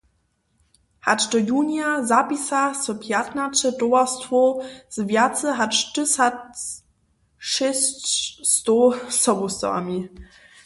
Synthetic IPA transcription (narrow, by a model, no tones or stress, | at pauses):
hat͡ʃdɔjuːnjazapisasɔpʰjatnat͡ʃətɔastvoz̥vjat͡səɦat͡ʃtɨsat | ʃɛst͡ɕstosɔbustɔ̰a̰mi